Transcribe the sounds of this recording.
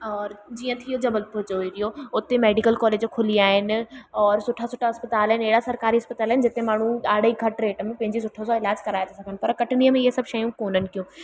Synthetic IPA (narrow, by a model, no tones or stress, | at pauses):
ɔːɾd͡ʑiːə̃t̪ʰijod͡ʑɐbəlpʊt͡ɕoːiɾijoʊt̪emeːɖikəlkɔːleːd͡ʑkʰʊliaːɦɪnɪ̆ɔːɾsʊʈʰasʊːʈʰaɦɐspət̪aːlɦɪneːɽasɐɾkaːɾiɐspət̪aːlaɦɪnɪd͡ʑɪt̪emaːɳ̤ũaːɽiɡʱɐʈɾeːʈmẽpɐ̃ɦɪ̃ɲd͡ʑisʊʈʰosɔɪlaːd͡ʑkɐɾaːet̪ʰesɐɡʱənɪpɐɾkɐʈɪnijəmẽɪɦesɐbʃɐjũkoːnənɪ̆kijũː